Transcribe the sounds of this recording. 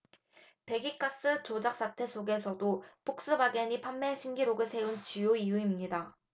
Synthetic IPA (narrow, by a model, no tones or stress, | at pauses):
pe̞ɡik͈as͈ɯt͡ɕod͡ʑak̚s͈atʰe̞sʰoɡe̞sʰʌdopʰok̚s͈ɯbaɡeɲipʰamːe̞ɕʰiŋɡiɾoɡɯɭsʰe̞unt͡ɕijoijuimɲida